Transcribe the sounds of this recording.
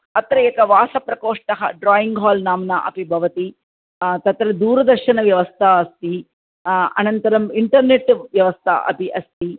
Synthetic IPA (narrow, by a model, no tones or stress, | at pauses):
ɐt̪ɾɐekɐʋaːsɐpɾɐkoːʂʈɐɦɐ̰ɖɾaːjiŋɡɦaːlnaːmnɐʔɐ̰pibʱɐʋɐt̪i | t̪ɐt̪ɾɐd̪uːɾɐd̪ɐɾʃɐnɐʋjɐʋɐst̪ʰɐɐst̪i | ɐ̰nɐnt̪ɐɾɐmiɳʈɐɾneʈʋjɐʋɐst̪ʰɐ̰ʔɐ̰piʔɐst̪i